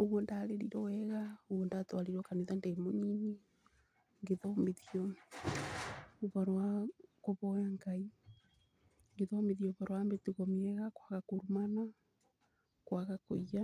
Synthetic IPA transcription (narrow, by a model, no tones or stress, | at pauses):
oɣɔndaɾeɾiɾɔwɛɣaoɣɔndatwaɾiɾɔkaneðandemoɲini | ŋɡeðɔmeðiɔ | βaɾwakoβɔjaŋɡai | ŋɡeðɔmeðiɔβaɾowambetiɣɔmeɛɣakwaɣakoɾumana | kwaɣakoia